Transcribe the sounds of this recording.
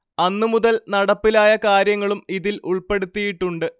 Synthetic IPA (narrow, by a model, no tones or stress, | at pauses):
ɐnːɨmuðɐlnɐɽɐpːilaːjɐkaːɾjɐŋːɐɭumiðilʔuɭpe̞ɽut̪ːijiʈːuɳɖɨ